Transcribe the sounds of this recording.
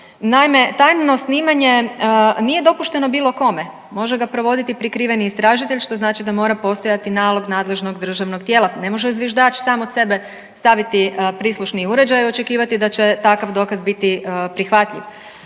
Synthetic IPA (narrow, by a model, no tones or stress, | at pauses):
najme̞t̪ajno̞sniːmaɲe̞nije̞d̪o̞puʃt̪e̞no̞biːlˠo̞ko̞me | mo̞ʒeɡapɾo̞ʋo̞d̪it̪ipɾikɾiːʋe̞niːst̪ɾaːʒit̪eʎʲʃt̪o̞znaːt͡ʃid̪amo̞ːɾapo̞st̪o̞jat̪inaːlˠo̞ɡnaːd̪le̞ʒno̞ɡd̪r̩ʒaʋno̞ɡt̪jeːlane̞mo̞ʒezʋiʒd̪aːt͡ʃsaːmod̪se̞be̞ | st̪aʋit̪ipɾiːslˠuʃniuɾe̞d͡ʑajio̞t͡ʃekiːʋat̪id̪at͡ɕe̞t̪akaʋd̪o̞kazbit̪ipɾixʋat̪ʎḭʋ